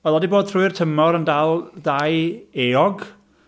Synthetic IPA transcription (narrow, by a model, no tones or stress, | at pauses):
ɛlˠɔdiboːd̥̪θruɨrtʰəmɔɾəndalˠdajeːɔɡ